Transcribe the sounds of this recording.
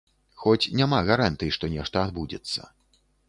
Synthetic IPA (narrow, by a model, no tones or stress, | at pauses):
xɔt͡sʲnʲamaɣaɾant̪ɨjiʂt̪ɔnʲɛʂt̪ɐad̪bud͡zʲɛ̰t̪sːɐ̰